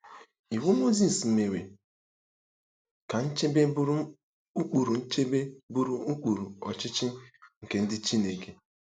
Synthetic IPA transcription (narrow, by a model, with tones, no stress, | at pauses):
i˨wu˦mo˦zi˨s̩˨me˨we˨ | ka˨n̩˦t͡ʃe˦be˦bɾ | u˦k͡pu˨ɾu˨n̩˦t͡ʃe˦be˦bu˦ɾu˦u˦k͡pu˨ɾu˨ɔ̰˨t͡ʃɪ˦t͡ʃɪ˦ŋ̩˨ke˨n̩˦dɪ˦t͡ʃi˦ne˨ke˨